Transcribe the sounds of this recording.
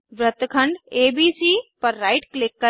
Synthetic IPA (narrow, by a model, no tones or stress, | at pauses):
ʋɾət̪kʰəɳɖeːbiːsiːpəɾːaːɪʈklɪkːə